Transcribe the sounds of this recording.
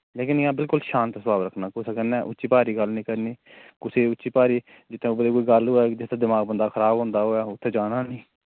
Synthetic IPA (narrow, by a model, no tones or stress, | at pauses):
leːkɪnɪãːbɪlkʊlʃaːnt̪ːsəbaːbɾəkʰnaːkʊsʰakənɛ̃ːʔʊtːʃiːpaːɾiːɡəlnĩːkəɾniːkʊseːʊtːt͡ʃʃiːpaːɾiː | d͡ʒɪt̪ʰːẽbəd̪eːkoːiːɡəlɦoːɛːd͡ʒɪsd̪aːd̪ɪmaːɡ̚bənd̪aːkʰəɾaːbɦõːnd̪aːɦoːɛːʊt̪ʰːeːd͡ʒaːnaːnĩː